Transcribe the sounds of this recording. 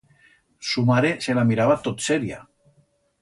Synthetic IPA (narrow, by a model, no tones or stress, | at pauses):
sumaɾeselamiɾaβat̪ot̪sɛɾia̰